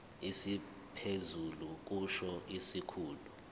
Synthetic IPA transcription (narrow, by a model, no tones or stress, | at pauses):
isi | pʰezuluk̬ʼuʃɔʔisikʰuːlu